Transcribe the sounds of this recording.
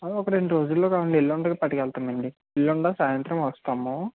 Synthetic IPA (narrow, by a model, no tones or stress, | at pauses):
ɐɔkɐɾe̞ɳɖiɾo̞ːd͡ʒulːoːkaːʋɐɳɖielːoɳɖɐkapɐʈɐkɛlt̪aːmɐɳɖi | elːoɳɖaːsaːjɐnt̪ɾɐmʋɐst̪aːmu